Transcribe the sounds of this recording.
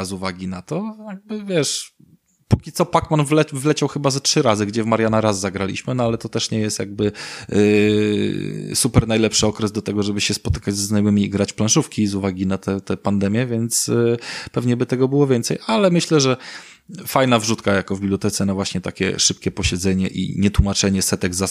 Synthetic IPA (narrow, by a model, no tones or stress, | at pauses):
zuvaɡʲinat̪ɔjaɡ̚bɘvʲjɛʂ | pukʲit̪sɔpakmanvlɛvlɛt͡ɕawxɘbazatʂɘɾazɘɡd͡ʑɛvmaɾjanaɾazːaɡɾalʲḭɕmɘnɔalɛt̪ɔt̪ɛʂɲɛjɛst̪jaɡ̚bɘ | supɛɾnajlɛpʂɘɔkɾɛzd̪ɔt̪ɛɡɔʐɛbɘɕɛspɔt̪ɘ̥kad͡ʑzɛznajɔmɘmʲiiɡɾat͡ɕplãnʂufkʲizuvaɡʲinat̪ʰɛt̪ɛpand̪ɛmʲjɛvʲjɛnt̪spɛvɲɛbɘt̪ɛɡɔbɘwɔvʲjɛnt̪sɛjʔalɛmɘɕlɛʐɛ | fajnavʐut̪kajakɔvbʲibljɔt̪ɛt̪sɛnavwaɕɲɛt̪akʲɛ̰ʂɘp̚kʲɛpɔɕɛd̪zɛɲɛ̰ʔḭɲɛt̪wumat͡ʂɛɲɛsɛt̪ɛɡza